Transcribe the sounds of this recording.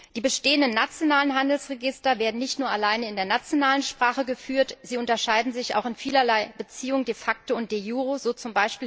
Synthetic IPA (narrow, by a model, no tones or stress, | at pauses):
d̥iːbəʃteːəndənːat͡sjonaːlənɦandl̩sʁeɡɪstɐveːɐdn̩nɪçtnuːɐʔalaɪnəɪndeːɐnat͡sjonaːlənʃpʁ̥aːχəɡəfyːɐtz̥iːʊntɐʃaɪdn̩zɪçʔa̰ʊxɪnfiːlɐlaɪb̥ət͡siːʊŋdefak̚təʊnt̚d̥eːjuːʁoz̥oːt͡sʊmbaɪʃpiː